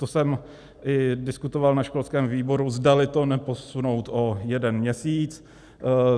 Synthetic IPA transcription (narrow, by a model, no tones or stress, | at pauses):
t̪osɛm | ʔɪdɪskut̪ovalnaʃkolskɛːmviːbo̞ɾuzdalɪt̪onɛpo̞suno̞wt̪ojɛdɛnmɲɛsiːt͡s